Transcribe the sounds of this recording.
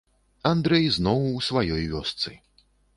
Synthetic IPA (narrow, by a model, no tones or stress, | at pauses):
and̪ɾɛjznɔwusvajɔjvʲɔst̪sɨ̰